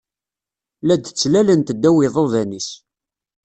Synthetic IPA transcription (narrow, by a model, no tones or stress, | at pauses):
læd̪t͡sːlælənt̪əd̪ːæwiðˤoðænis